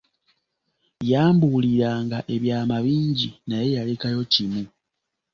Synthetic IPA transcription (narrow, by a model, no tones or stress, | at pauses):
jaːmbuliɾaːŋɡaʔe̞βjaːmaβiːɲɟinaje̞jalekajo̞cimu